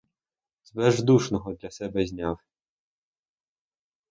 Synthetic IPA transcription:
zbɛʒd̪uʃnɔɦɔd̪lʲɐsɛbɛzʲnʲaw

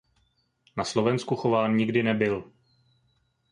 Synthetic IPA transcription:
naslo̞vɛnskuxo̞vaːnɲɪɡdɪnɛbɪl

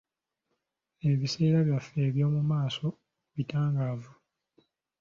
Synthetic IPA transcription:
e̞βise̞ːɾaβjafːe̞ːβjo̞ːmumaːso̞ | βitaːŋɡaːvu

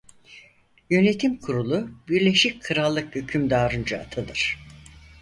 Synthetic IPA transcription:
jø̞ne̞t̪ʰimkʰuɾulˠubiɾlʲe̞ʃickʰɯɾalˠːɯkhycʰymd̪aːɾɯnd͡ʒaa̰t̪ʰɯnɯɾ̥

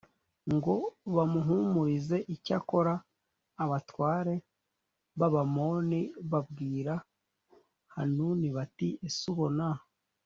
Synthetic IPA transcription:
ŋɡo̞βamuɦumuɾize̞ʔicako̞ɾaː | βatwaːɾe̞ | βaβamo̞ːniβab̚ɡiːɾa | ha̰nuniβatiesuβo̞nah

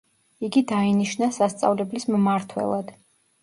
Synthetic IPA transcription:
iɡid̪ainiʃnasast̪sʼa̰vlɛblismmaɾt̪ʰwɛ̰lˠad̪̥

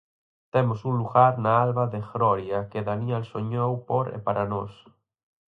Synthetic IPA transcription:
t̪emosunluɣaɾnaalβaðeɣɾɔɾjakeðaniɛlsoɲowpoɾḛpaɾʔanos

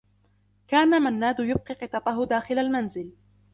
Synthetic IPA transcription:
kaːnamanːaːd̪ʊjʊb̚qiːqɨt̪ˤɑt̪ˤɑɦʊd̪aːxɪlalmanzɪl

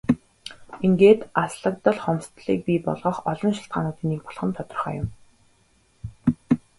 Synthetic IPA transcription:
iŋɡeːt̪asɮə̆k̚t̪ə̆ɮχɔmst̪ɮḭːk̚pʲipɔ̰ɮʁɞ̆χɔɮɞ̆nʃɪ̥ɬt̪̚ɢa̰ːnʊːt̪iːniːk̚pɔ̥ɮχə̆nt̪ʰɔt̪ɞ̆rχœ̰ːjʊ̰m

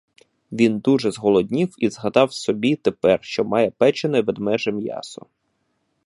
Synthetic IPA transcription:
ʋʲind̪uʒɛzɦɔlˠɔdʲnʲiwizɦɐd̪ɑwsɔbʲit̪epɛrʃt͡ʃɔmɑjɛpɛt͡ʃenɛʋɛd̪mɛʒɛmjɑ̰sɔ̰

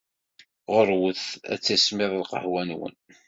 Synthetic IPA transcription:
ʁəɾˤwəθæ̰t͡sːæsmɪðˤlqə̰ħwænwə̰n

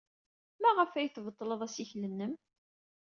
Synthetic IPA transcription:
mæʁəfæjəθvət̪ˤːləðˤæsiçlənːəm

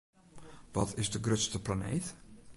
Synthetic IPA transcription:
ʋɔtɪzdəɡrøtstəplanḛːt

